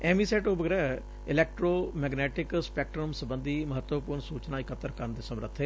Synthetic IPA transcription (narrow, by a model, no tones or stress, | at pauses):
ɛːmiːsɛːʈobəɡɾɛː | ɪlɛːk̚ʈɾoːmɛːɡnɛːʈɪkspɛːk̚ʈɾəmsəbənd̪iːməɦət̪wəpuːɾɳsuːt͡ʃnaːɪkət̪ːəɾkəɾənd̪eːsəmɾə̰t̪ʰːeː